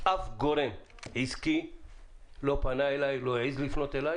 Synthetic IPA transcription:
ʔafɡoʁem | ʕiski | lo̞panaelajloeʕizlifno̞t̪elaj

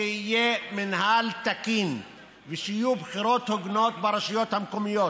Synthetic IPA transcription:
ehijeminhalt̪akin | veʃijubχiɾo̞t̪hoɡno̞t̪beɾaʃajo̞t̪hamkomijot̪

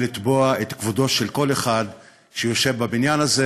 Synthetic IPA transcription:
lit̪boaet̪kvud̪o̞ʃelko̞le̞χad̪ | ʃejo̞ʃe̞vbabinjanaze

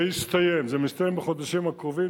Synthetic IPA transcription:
ist̪ajemzemist̪ajembeχod̪aʃimakʁovi

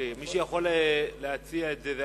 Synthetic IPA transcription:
imiʃujaχolleat͡siaetzeð

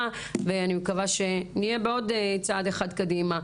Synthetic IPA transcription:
veanimkavaʃe̞nijebeo̞det͡saːdeχadkadima

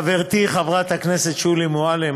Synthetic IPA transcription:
veʁt̪iχavʁat̪hakneset̪ʃulimoale

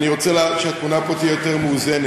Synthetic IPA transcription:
niʁo̞t͡selaːʃeak̪munapot̪iejot̪eʁmeuzene

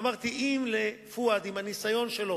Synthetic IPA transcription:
maʁt̪iʔimlefuad̪imhanisajo̞nʃe̞lo

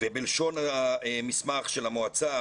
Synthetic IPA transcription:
vebelʃo̞naaemismaχʃelamoat͡sa

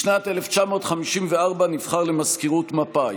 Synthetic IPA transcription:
ʃnat̪eleft͡ʃamo̞ːt̪χamiʃimveaʁbanifχaʁlemaskiʁutmapa

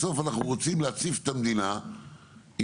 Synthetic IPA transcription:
so̞fanaχnuʁot͡simleat͡sife̥t̪amd̪ina | i

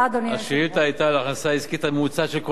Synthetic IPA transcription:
ad̪onaʃiit̪aajtalaχnasaizkit̪amut͡saʃelko

